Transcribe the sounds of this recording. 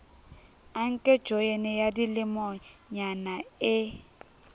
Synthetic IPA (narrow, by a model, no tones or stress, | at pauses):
aŋ̩kʼɛd̥ʒ̥ojenɪjadilɪmɔɲanaɪ